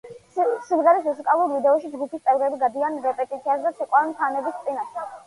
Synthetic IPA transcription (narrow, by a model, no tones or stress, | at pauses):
sumʁɛɾismusikʼalˠuɾvid̪ɛɔʃid͡ʒɡupʰist̪sʼɛvɾɛbiɡad̪ianɾɛpʼɛt̪ʼit̪sʰiasd̪at̪sʰɛkʼwaɾmt̪ʰanɛbist̪sʼinaʃɛ